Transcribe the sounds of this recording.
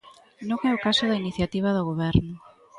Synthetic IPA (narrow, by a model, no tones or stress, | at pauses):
nõŋɛʊkasʊðainiθjat̪iβ̞ɐðoɣoβɛɾnʊ